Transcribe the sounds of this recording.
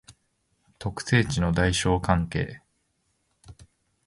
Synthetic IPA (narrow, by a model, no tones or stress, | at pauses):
t̪o̞kɯ̟̥se̞ːt͡ɕino̞d̪aiɕo̞ːkãŋke̞̰ː